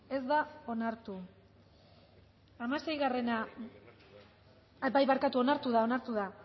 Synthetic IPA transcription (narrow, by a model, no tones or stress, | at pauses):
e̞zd̪ao̞naɾt̪u | amase̞jɣare̞na | bajβaɾkat̪uo̞naɾt̪uðao̞naɾt̪uða